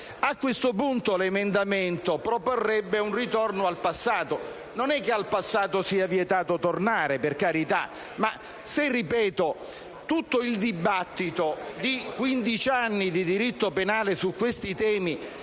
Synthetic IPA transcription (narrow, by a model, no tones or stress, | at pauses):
akːwest̪opunt̪olemend̪ament̪opɾoporːɛbːeunrit̪ɔrnoalpasːaːt̪o | nonɛk̟ːealpasːaːt̪osiːavjɛt̪aːt̪ot̪ornaːɾeperkaɾit̪a̰ | ma | serːipɛːt̪o | t̪ut̪ːoild̪ibat̪ːit̪od̪ikwind̪it͡ʃanːid̪id̪iɾit̪ːopenaːlesukːwest̪it̪ɛːmi